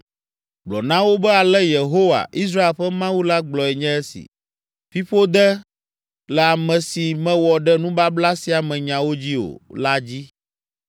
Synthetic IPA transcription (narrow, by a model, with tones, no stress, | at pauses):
ɡ͡blɔ̰˨nã˦wo˦bɛ˦a˨lɛ˦je˨ɦo˦wa̰˨ʔi˦s̬ɾa˦e˨lɸɛ˦mã˦wu˦la˦ɡ͡blɔ˨ɛ˨ɲɛ̃˦ɛ˦sḭ˨ | fi˦ɸo˦d̪ɛ˦ | lɛ˨a˨mɛ̃˨si˨mɛ̃˦wɔ˨ɖɛ˦nũ˦ba˦bla˦si˨a˨mɛ̃˨ɲã˨wo˦d͡ʑi˦o̰˨la˦d͡ʑi˦